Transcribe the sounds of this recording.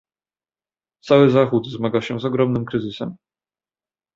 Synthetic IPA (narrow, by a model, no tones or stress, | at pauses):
t̪sawɘzaxut̪zmaɡawɕɛzɔɡɾɔmnɘmkɾɘzɘsɛm